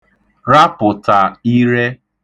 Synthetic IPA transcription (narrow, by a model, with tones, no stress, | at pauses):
ɾa˦pʊ˨ta˨i˦ɾe˦